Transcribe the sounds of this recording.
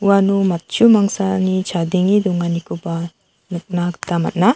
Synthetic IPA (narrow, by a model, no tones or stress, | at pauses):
uwanumat̪̚t͡ʃumaŋsanit͡ʃʰad̪iŋid̪uŋanikʰuba | nuk̚naɡt̪ama̰t̪̚na